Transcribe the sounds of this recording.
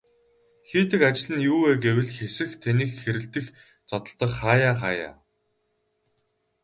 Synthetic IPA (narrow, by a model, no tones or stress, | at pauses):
xiːt̪ɘ̆kat͡ɕɪ̆ɮɘ̆njuːweːɡewɘ̆ɮxesɘ̆xt̪ʰaniːkxeɾɘ̆ɬt̪ɘ̆x | t͡sɔt̪ɞ̆ɮt̪ə̆kχaːjaːχaːja̰ː